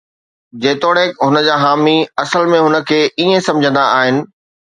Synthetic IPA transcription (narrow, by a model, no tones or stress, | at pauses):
d͡ʑeːt̪oːɽekɦʊnə̆d͡ʑaːɦaːmiɐsəlmẽɦʊnə̆kʰeːʔiːẽsɐ̃md͡ʑʱə̃nd̪aaːɦɪnɪ̆